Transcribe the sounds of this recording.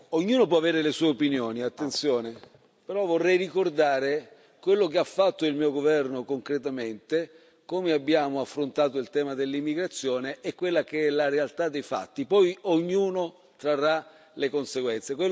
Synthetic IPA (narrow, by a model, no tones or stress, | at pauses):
oɲːuːnop̬wɔaveːɾelesuːeopinjoːniat̪ːent̪sjɔːne | peɾɔvorːɛjrikord̪aːɾe | kwelːok̬eafːat̪ːoilmiːoɡovɛrnokoŋkɾet̪ament̪e | komeabːjaːmoafːɾont̪aːt̪oilt̪ɛːmad̪elːimːiɡɾat̪sːjɔːneʔɛkːwelːakeɛlaɾealt̪ad̪ːejfa̰t̪ːipɔjoɲːuːno | t̪ɾarːa | lekonseɡwɛnt̪sekwel